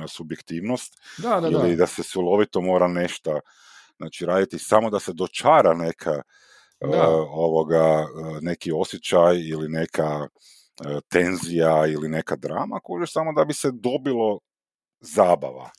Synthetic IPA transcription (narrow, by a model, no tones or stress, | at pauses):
subjekt̪iːʋnost̪ailid̪asesulˠo̞ʋit̪omo̞ːɾane̞ʃt̪a | znat͡ʃiɾaːd̪it̪isamod̪ase̞d̪o̞t͡ʃaːɾane̞kʰa | oʋoɡane̞kio̞sjet͡ʃajiline̞kʰa | ət̪e̞nzijailine̞kad̪ɾa̰ːmakooud͡ʒesamod̪abised̪o̞bilˠo̞ | zaːba̰ʋa̰